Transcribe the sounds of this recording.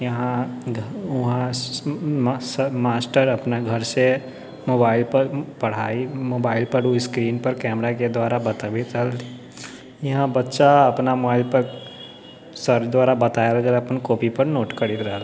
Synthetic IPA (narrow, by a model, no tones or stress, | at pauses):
jɐɦãɡʱʊɦã | smaːsʈəɾɐpnaɡʱɐɾse | moːbaːɪlpɐɾpɐɽ̤aːimoːbaːɪlpɐɾuiskɾiːnpɐɾkɛːmɾaked̪waːɾabɐt̪abʱit͡ʃəl | jɐɦãbɐtːʃaɐpnamoaːɪlpɐɾ | səɾt͡ʃd̪waːɾabɐt̪aːjaləɡəɐpənkoːpʰipɐɾnoːʈkɐɾit̪ɾla